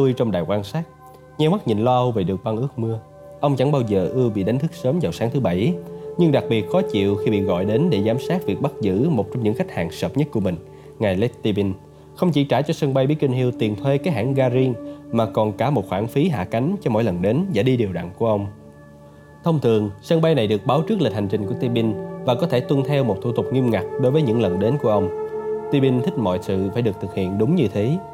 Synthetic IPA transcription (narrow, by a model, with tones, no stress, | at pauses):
t̪u˧jt͡ɕɔ˧wŋ͡mɗaː˨˩jkwaː˧nsaː˦˥t̚ | ɲɛ˧wma˦˥t̚ɲḭ˨nlɔ˧ʔə˧wve˨˩ɗɨ˨˩ək̚ɓa˧ŋʔɨ˦˥ək̚mɨ˧ə | ʔə˧wŋ͡mt͡ɕa̰˧˥ŋɓaː˧wzəː˨˩ʔɨ˧əwɓḭ˧˨ɗa˨˦ŋ̟t̪ʰɨ˦˥k̚səː˨˦mzaː˨˩wsaː˨˦ŋt̪ʰɨ˨˦ɓa˧˩jɲɨ˧ŋɗa˨˩k̚ɓi˨˩ət̚xɔ˨˦t͡ɕḭ˧˨əwxi˧ɓḭ˧˨ɣɔ̰˧˨jɗe˨˦nɗe˧˩zaː˨˦msaː˦˥t̚vi˨˩ək̚ɓa˦˥t̚zɨ̰˧˥mo˨˩t̚t͡ɕɔ˧ŋ͡mɲɨ̰˧˥ŋxa˦˥jk̟̚ha̰ː˨˩ŋsəː˨˩p̚ɲə˦˥t̚ku˧˩əï˨˩ŋ̟ | ŋa˨˩jlɛ˦˥t̚t̪i˧ɓi˧n | xə˧wŋ͡mt͡ɕḭ˧˩t͡ɕaː˧˩t͡ɕɔ˧sə˧ŋɓa˧jɓi˦˥əki˧ŋ̟ɦi˧əwt̪i˨˩ənt̪ʰwe˧kaː˨˦jɦaː˧˩ŋɣaː˧zi˧əŋmaː˨˩kɔ˨˩nkaː˧˩mo˨˩t̚xwaː˧˩nfi˨˦ɦa̰ː˧˨ka˨˦jŋ̟t͡ɕɔ˧mo̰˧˥˨jlə˨˩nɗe˨˦nza̰˧˥ɗi˧ɗi˨˩əwɗa̰ː˧˨ŋku˧˩əʔə˧wŋ͡m | t̪ʰə˧wŋ͡mt̪ʰɨ˨˩əŋsə˧ŋɓa˧jna˨˩jɗɨ˨˩ək̚ɓaː˨˦wt͡ɕɨ˦˥k̚li˨˩t̚ha˨˩ŋ̟t͡ɕï˨˩ŋ̟ku˧˩ət̪i˧ɓi˧nvaː˨˩kɔ˨˦t̪ʰe˧˩t̪wə˧nt̪ʰɛ˧wmo˨˩t̚t̪ʰu˧t̪ʊ˨˩k͡p̚ŋi˧əmŋa˨˩k̚ɗo˨˦jvəː˨˦jɲɨ̰˧˥ŋlə˨˩nɗe˨˦nku˧˩əʔə˧wŋ͡mt̪i˧ɓi˧nt̪ʰï˦˥k̟̚mɔ̰˧˨jsɨ̰˧˨faː˧˩jɗɨ˨˩əkt̪ɨ˨˩k̚hḭ˧˨ənɗʊ˨˦ŋ͡mɲɨ˧t̪ʰe˨˦